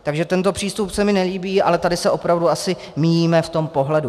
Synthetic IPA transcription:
t̪aɡʒɛt̪ɛnt̪o̞pr̝̥iːst̪upsɛmɪnɛliːbiːʔa̰lɛt̪adɪsɛʔo̞pɾavduasɪ | mijiːmɛft̪o̞mpo̞ɦlɛdu

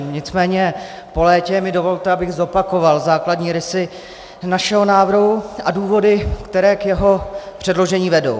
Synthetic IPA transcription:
ɲɪt͡smɛːɲɛ | po̞lɛːcɛmɪdo̞vo̞lt̪ɛabɪɣzo̞pako̞valzaːkladɲiːɾɪsɪ | naʃɛɦo̞naːvrɦuʔaduːvo̞dɪkt̪ɛɾɛːkjɛɦo̞pr̝̥ɛdlo̞ʒɛɲiːvɛdo̰w

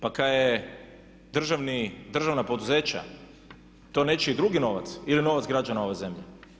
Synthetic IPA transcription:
pakaje | d̪r̩ʒaʋnid̪r̩ʒaʋnapo̞d̪uze̞ːt͡ɕa̰ | t̪o̞net͡ʃeid̪ɾuɡino̞ʋa̰t̪silino̞ʋat̪zɡɾad͡ʒanao̞ʋeze̞mʎḛ

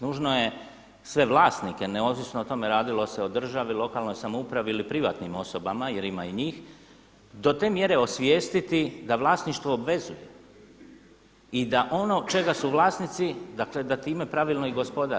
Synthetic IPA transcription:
nuːʒnoje̞ | sʋe̞ʋlˠaːst̪nike̞neoʋisnoot̪o̞meɾaːd̪ilo̞seo̞d̪r̩ʒaʋilˠo̞kalˠno̞jsamoupɾaʋiilipɾiʋa̰ːt̪nimo̞so̞bamaje̞ɾimaiɲiːx | d̪o̞t̪e̞ːmje̞ɾe̞o̞sʋjeːst̪it̪id̪aʋlˠaːsniʃt̪ʋoːbʋe̞zuje̞ | id̪aʔo̞no̞t͡ʃe̞ɡasuʋlˠaːst̪nit̪sid̪akle̞d̪at̪iːme̞pɾaʋilno̞iɡo̞spo̞d̪a

